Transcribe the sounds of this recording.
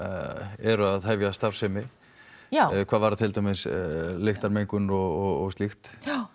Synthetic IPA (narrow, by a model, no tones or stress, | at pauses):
ɛɾʏaðɦɛvjast̪av̥sɛmɪ | kʰvaːðvaɾðat̪ʰɪlt̪amɪslɪxt̪aɾmejŋkʏnɔɣɔɣɔst̪ixt̪